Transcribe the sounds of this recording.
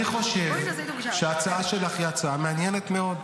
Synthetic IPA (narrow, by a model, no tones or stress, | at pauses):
iχo̞ʃev | ʃeat͡saaʃedaχjat͡sameanjene̞t̪me̞o̞d̪